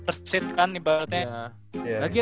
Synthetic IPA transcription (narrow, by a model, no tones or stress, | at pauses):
t̪ərsɪt̪̚kandibaɾət̪̚ɲa | laɡi